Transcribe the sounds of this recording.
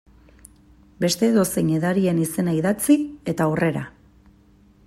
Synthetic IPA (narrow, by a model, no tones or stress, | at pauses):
be̞st̪e̞ðo̞seɲeðaɾie̞nise̞naiðat͡sie̞t̪aure̞ɾa